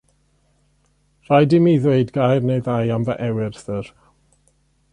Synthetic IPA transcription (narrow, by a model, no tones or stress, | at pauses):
r̥ajdɪmiðweɨdɡajrnejðajamvaʔɛwɪrθər